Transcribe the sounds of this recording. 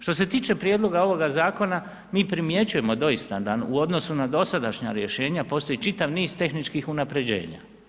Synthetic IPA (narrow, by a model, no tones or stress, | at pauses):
ʃt̪o̞se̞t̪iːt͡ʃe̞pɾje̞d̪lˠo̞ɡao̞ʋo̞ɡazaːko̞na | miːpɾimje̞t͡ɕuje̞mo̞d̪o̞ist̪ad̪anṵo̞d̪no̞sunad̪o̞sad̪aʃɲa̰ɾje̞ʃe̞ːɲapo̞st̪o̞it͡ʃit̪aʋniːz̥t̪e̞xnit͡ʃkixunapɾe̞d͡ʑe̞̰ːɲa̰